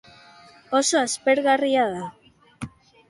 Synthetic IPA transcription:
o̞so̞aspe̞ɾɣariaða

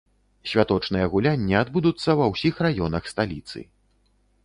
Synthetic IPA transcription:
sʲvʲat̪ɔt͡ʂnɨjɐɣulʲanʲːɛad̪bud̪ut̪sːɐvɐwsʲixrajɔnɐxst̪alʲit̪sɨ̰

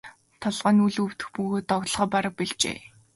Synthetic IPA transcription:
t̪ʰɔɮʁəːnuɮɵwt̪ɘ̆xpuɣoːt̪ːɔɣt̪ɮχɔːpaɾə̆k̚piɮt͡ɕḛː

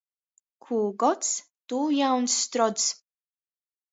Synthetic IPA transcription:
kʰuːɡɔtt͡s | t̪ujawnsːt̪ɾɔdt͡s

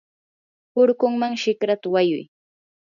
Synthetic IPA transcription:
pʊɾkʊŋmaŋʃɪkɾat̪awajʊ̰j

